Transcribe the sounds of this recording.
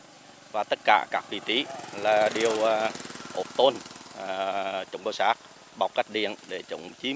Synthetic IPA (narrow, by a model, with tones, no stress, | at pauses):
vaː˨˩t̪ə˦˥t̚ka̰ː˧˩kaː˦˥k̚vḭ˧˨t̪i˨˦laː˨˩ɗi˨˩əwʔo˨˩p̚t̪o˧nː˨˩ | t͡ɕo̰˨˧˩wŋ͡mɗə˧˩wsaː˦˥k̚ | ɓa̰˨˩wk͡p̚ka˦˥k̟̚ɗḭ˧˨ənɗe˧˩t͡ɕʊ̰˧˩˨ŋ͡mt͡ɕi˨˦